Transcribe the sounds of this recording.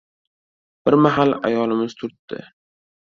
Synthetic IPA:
b̥ɪɾmaɦala̰jɒlɪmɪz̥t̪ʰʊɾt̪ːɪ̰

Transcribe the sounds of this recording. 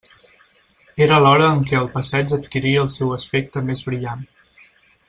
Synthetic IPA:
eɾəlɔɾəːŋkɛəlˠpəsɛd͡ʒət̪kiɾiəːlˠsɛwəspek̚t̪əmezβɾiʎan

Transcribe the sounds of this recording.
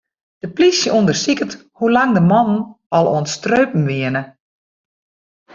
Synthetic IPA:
d̥əplisjəundərsikət | hulaŋdəmɔnən̩ | ɔlˠo̰ənstrøːpn̩ʋɪənə

